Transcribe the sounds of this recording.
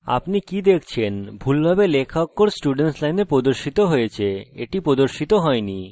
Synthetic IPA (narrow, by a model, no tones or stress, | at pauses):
a̰pnikid̪ekʰt͡ɕʰenbʱulbʱabelekʰakːoɾsʈuɖenʈlajneɾpɾod̪oɾʃit̪oɦojet͡ɕʰeeʈipɾod̪oɾʃit̪oɦɔeni